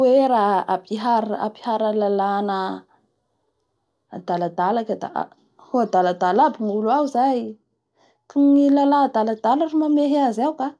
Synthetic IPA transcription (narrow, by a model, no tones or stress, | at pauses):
weɾaapiɦaɾa̰pi̥haɾəlalanə | ad̪alad̪alakəd̪a̰ʔa̰ | hoad̪alad̪alabinulawzaj | kunilalad̪alad̪aləɾumameɦazawka